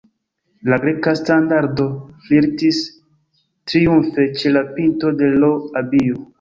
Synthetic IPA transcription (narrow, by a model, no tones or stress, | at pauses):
laɡɾe̞kastandaɾdo̞fliɾtis | tɾiunfe̞t͡ʃe̞lapinto̞de̞loabio